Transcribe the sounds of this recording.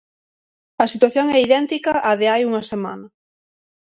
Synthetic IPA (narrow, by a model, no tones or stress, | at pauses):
ɐsit̪waθjoŋɛiðɛnt̪ikɐʔːðɪajuŋɐsema̰nɐ